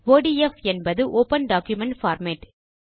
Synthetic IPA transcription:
ʋoːɖiɛfɛnbɐðɯʔoːpɐnɖaːkjʊmɛɳʈfaːɾmeːʈ

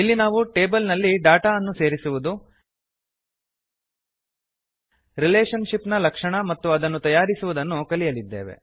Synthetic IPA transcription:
ilːinaːʋuʈe̞ːbɐlnɐlːiɖaːʈaɐnːuse̞ːɾisuʋud̪u | ɾileːʂɐnʂipnɐlɐkʂɐɳɐmɐt̪ːuɐd̪ɐnːut̪ɐjaːɾisuʋud̪ɐnːukɐlijɐlid̪ːe̞̰ːʋḛ

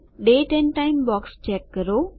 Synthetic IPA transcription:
ɗeːʈɛ̃nʈaːɪmbɔːkst͡ʃɛːkːəɾoː

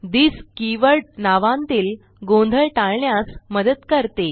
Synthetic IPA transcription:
d̪iːskiʋəɭnaʋãnt̪iːl | ɡõnd̪ʱəɭʈaɭɳjasməd̪ət̪kəɾt̪e

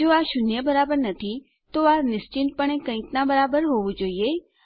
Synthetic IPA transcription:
d͡ʒoaʃʊnjəbəɾabəɾnət̪ʰi | t̪oaɾnɪst͡ʃɪnʈ̚pəɳ̃ẽkə̃ɪ̃knabəɾabəɾɦoʋũd͡ʒoːie

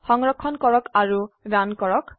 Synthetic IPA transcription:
xɔŋɹɔkʰːɔnkɔɹɔkaɹudankɔɹɔk

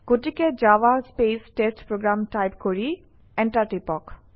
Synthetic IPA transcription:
ɡoʈiked͡ʑawaspesʈesʈpɾoɡɾamʈajpkoɹi | ɛɳʈaʈipɔk

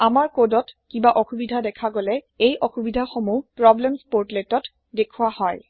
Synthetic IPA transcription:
amaɹkodɔtkibaʔɔxubidʱadɛkʰaɡolɛ | ejʔɔxubidʱaxɔmupɹɔblɛmspoɹtletɔt | dekʰuwahɔj

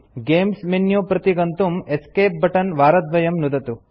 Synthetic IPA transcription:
ɡeːmsmenjuːpɾɐt̪iɡɐnt̪umeskeːp̚bʱɐʈɐnʋaːɾɐd̪ʋɐjɐmnud̪ɐt̪u

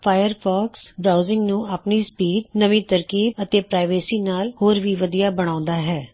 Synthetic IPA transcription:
pʰaːjəɾpʰɔːksbɾaːʊzɪŋɡnũːaːpniːspiːɖnəʋĩːt̪əɾkiːbət̪eːpɾaːɪʋeːsiːnaːlhoːɾʋiːʋəd̪ijaːbəɽ̃ãːʊ̃nd̪aːɦɛː

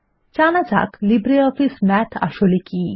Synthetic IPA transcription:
t͡ɕanad͡za̰klibɾeɔfismɛt̪ʰa̰ʃoliki

